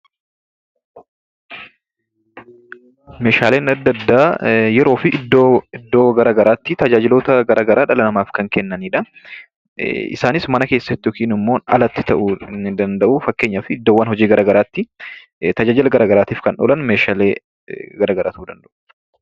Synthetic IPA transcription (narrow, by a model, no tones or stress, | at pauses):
me̞ːʃaːle̞ːnɐd̪ːɐd̪ːaːjɛɾo̞ːfɪʔɪd̪ːoɪd̪ːo̞ːɡɐɾaɡɐɾaːt̪ːɪt̪ɐd͡ʒaːd͡ʒɪlo̞ːt̪ɐɡɐɾʔaːɡɐɾʔaːᶑɐlɐnɐmaːfkɐŋkɛnːɐniːᶑɐ | ɪ̰saːnɪsmɐnɐkeːsːɐt̪ːɪɔkiːnɪmːo̞ːnɐ̰lɐt̪ːɪ̥t̪ɐʔuɪnːɪd̪ɐnd̪ɐʔufɐkːe̞ːɲːaːfɪːd̪ːoːwːɐnhɔd͡ʒiːɡɐɾʔaːɡɐɾaːt̪ːɪ | t̪ɐd͡ʒaːd͡ʒɪlɐɡɐɾaːɡɐɾaːt̪iːfkɐnᶑoːlɐnmeːʃaːleː | ɡɐɾaːɡɐɾʔa̰ːt̪ud̪ɐnd̪ɐʔʊ̥